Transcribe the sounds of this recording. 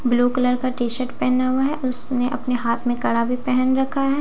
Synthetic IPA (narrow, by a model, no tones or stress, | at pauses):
bluːkɐləɾkaʈiːʃəʈpɛɦnaɦuaɦɛʔʊsneʔɐpneɦaːt̪ʰmẽkɐɽabʱipɛɦɛnɾɐkʰaɦɛ